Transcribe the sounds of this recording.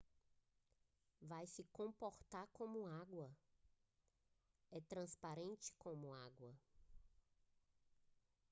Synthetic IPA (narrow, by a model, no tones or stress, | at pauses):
vajsɪkõpoɾt̪aɾkõmʊaɡwɐ | ɛt̪ɾɐ̃spaɾẽnt͡ʃɪ̥kõmʊaɡwɐ